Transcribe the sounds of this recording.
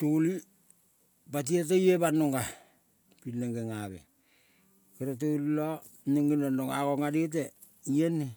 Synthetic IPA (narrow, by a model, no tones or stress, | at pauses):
toli | bat̬iet̬ejebanoŋɡa | pinːeŋɡeŋabḛ | keɾat̬olilo | neŋinanoŋa̰ɡoŋadet̬e | ienːe